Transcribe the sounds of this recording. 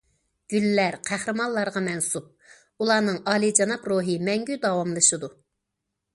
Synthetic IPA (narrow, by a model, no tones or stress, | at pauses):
ɡ̥ʲylːæɾqʰæhɾɨmɑnlˠːɑɾʁɑmɛnsup̚ | ulˠɑːnɨŋɑːlˠid͡ʒɑnɑpɾoːɦɨmɛŋɡʲyd̪ɑwɑmlˠɨʃɨd̪u